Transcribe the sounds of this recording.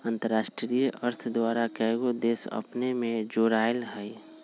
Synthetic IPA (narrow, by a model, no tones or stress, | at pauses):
ə̃nt̪əɾːaːʃʈɾijəɾt̪ʰd̪waːɾakɛːɡod̪eːsə̰pnemẽd͡ʒoːɾaːjlɦɛi